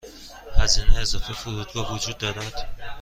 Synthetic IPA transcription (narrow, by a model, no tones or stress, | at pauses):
hæzineezɒːfefuɾud̪ɡɒvud͡ʒuːd̪ːɒːɾæd̪̥